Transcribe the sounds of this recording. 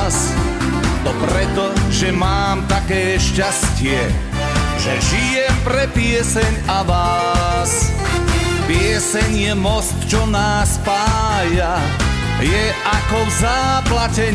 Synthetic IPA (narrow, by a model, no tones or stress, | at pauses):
s | b̪ɔpɾɛt̪ɔʒɛmaːmt̪akɛːʃcascɪɛ | ʒɛʒijɛmpɾɛpɪɛsɛɲaʋaːs | pɪɛsɛɲjɛmɔst̪t͡ʃɔnaːspaːja | jɛ | ʔakɔvzaːplacɛ